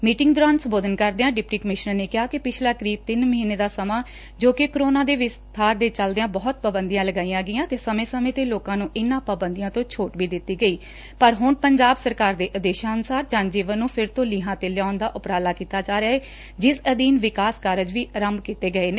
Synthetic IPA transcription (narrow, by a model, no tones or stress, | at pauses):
miːʈɪŋɡd̪ʊɾaːnsə̃mboːd̪ʱənkəɾd̪eːãːɖɪpʈiːkəmɪʃnəɾneːkɪɦaːkɪpɪt͡ʃʰlaːkəɾiːb̚t̪ɪnməɦiːneːd̪aːsəmãː | d͡ʒoːkɪkɾoːnãːd̪eːʋɪst̪ʰaːɾd̪eːt͡ʃəld̪ejãːbɔːt̪̚paːbənd̪ijãːləɡaːĩːãːɡɪjãːt̪eːsəmẽːsəmẽːt̪eːloːkãːnũːʔɪnãːpaːbə̃nd̪ijãːt̪õːt͡ʃʰoːʈʋiːd̪ɪt̪ːiːɡəiː | pəɾɦʊɳpəɲd͡ʒaːbsəɾkaːɾd̪eːʔəd̪eːʃaːənsaːɾd͡ʒãːnd͡ʒiːʋənːũːpʰɪɾt̪õːliːɦãːt̪eːlɪjaːʊnd̪aːʔʊpɾaːlaːkiːt̪aːd͡ʒaːɾeaːeː | d͡ʒɪsəd̪iːnʋɪkaːskaːɾəd͡ʒʋiːɾəmkiːt̪eːɡəeːneː